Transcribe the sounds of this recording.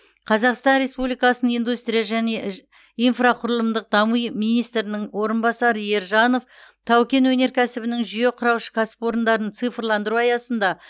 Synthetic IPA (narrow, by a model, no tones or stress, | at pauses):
qʰɑzɑqst̪ɑnɾe̞spublijkɑsənəijnd̪ust̪ɾʲijaʒæne̞ | ijnfraqʰʊɾəlˠəmd̪əq̚d̪ɑmijmijnijst̪ɾɪnɪŋwo̞ɾənbɑsɑɾəje̞ɾʒɑno̞ft̪ʰɑwkʲe̞nwɵne̞ɾkʲʰæsɪbɪnɪŋʒije̞qʰʊɾɑwʃə̥kʲʰæsɪ̥po̞ɾənd̪ɑɾənt̪sɨjfrlˠɑnd̪əɾuɑjɑsənd̪ɑ